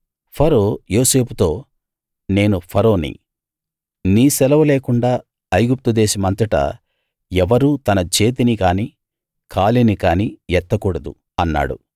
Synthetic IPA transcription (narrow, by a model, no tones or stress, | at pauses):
pʰɐɾo̞ːjo̞ːse̞ːput̪o̞ː | ne̞ːnupʰɐɾo̞ːnḭ | niːsɛlɐʋɐleːkuɳɖaː | ɐjɡup̚t̪ud̪ɛːsɐmɐnt̪ɐʈɐ̰ | ɛʋɐɾuːt̪ɐnɐt͡ʃe̞ːt̪̬inikaːniː | kʰaːlinikaːniːjɛt̪ːɐkuːɽɐd̪ṵ | ɐnːa̰ːɽṵ